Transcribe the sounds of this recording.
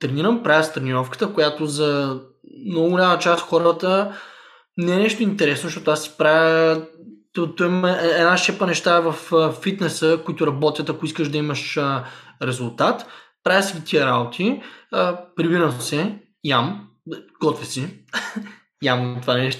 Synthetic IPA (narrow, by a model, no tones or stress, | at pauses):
t̪ɾɛniɾəmpɾavʲjəst̪ɾɛniɾɔfkə̥t̪əkʊjat̪ozɐ | mnɔɡʊɡʊlʲamɐt͡ʃast̪xɔɾət̪ə | nɛɛnɛʃt̪ʊint̪ɛɾɛsnoʃt̪ɔt̪ʊasi̥pɾavʲə | t̪ɔt̪ɔɛmɛɛɛd̪naʃɛpənɛʃt̪aɛvɐffit̪nɛsəkʊit̪ʊɾɐbɔt̪ʲjət̪ɐkʊiskəʒd̪ɐiməʃəɾɛzʊlˠt̪at̪pɾajʲəsiɡit̪ʰiəɾabot̪ʰi | pɾivinəmsɛ | jam | ɡ̥ɔt̪vɛsi | jamt̪ovanɛʃt̪